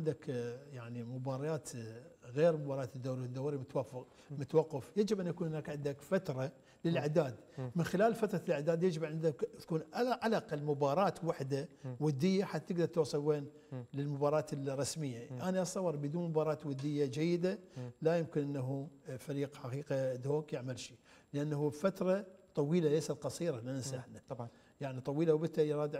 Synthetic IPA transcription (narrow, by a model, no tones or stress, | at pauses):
and̪akjaʕnimʊbɑːɾˤɑjaːt̪ɣeːɾmʊbɑːɾˤɑɑːt̪ɪd̪ːaːɾwd̪ːaːɾimʊt̪waf | mʊt̪wɑqːɑfjad͡ʒɪbʔanʔakuːnhʊnaːkʕɪnd̪akfat̪ɾˤɑ | lɪlʕad̪aːd̪mɪnxɪlaːlfat̪ɾˤɑlʕad̪aːd̪jad͡ʒɪbʕɪnd̪akt̪ḁkuːnʔaʔalɑqɪlmʊbɑːɾˤɑːt̪waħd̪awad̪ːɪjːaħat̪ːat̪ɪɡd̪ɑɾˤt̪uːsˤɨlweːn | lɪlmʊbɑːɾˤɑːt̪rˤɑsmɪjːaʔaniʔɑsˤɑwɑɾˤbd̪uːnmʊbɑːɾˤɑːt̪wad̪ːɪjːad͡ʒajːɪd̪alajɪmkɪnʔɪnːaɦufaɾiːqħaqiːqad̪hoːkjɪʕmalʃi | lɪʔanːahufat̪ɾˤɑt̪ˤɑwiːlalejsat̪qɑsˤiːɾˤɑlɪnɪsʔaħna | jaʕnit̪ˤɑwiːlawbɪt̪ajɾˤɑːd̪